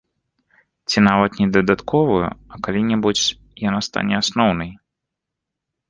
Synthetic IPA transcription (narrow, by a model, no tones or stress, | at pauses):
t͡sʲinavɐt̪nʲɛd̪ɐd̪at̪kʰɔvujṵɐkalʲinʲɛbut͡sʲ | janast̪a̰nʲɛasnɔwnɐj